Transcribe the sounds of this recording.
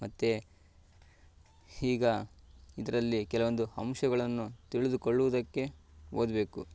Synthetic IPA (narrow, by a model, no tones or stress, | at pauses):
mɐt̪ːe | hiːɡɐid̪ɐɾɐlːikɛlɐʋond̪uhɐmʃɐɡɐɭɐnːut̪iɭid̪ukoɭːuʋud̪ɐkːe̞oːd̪be̞ːku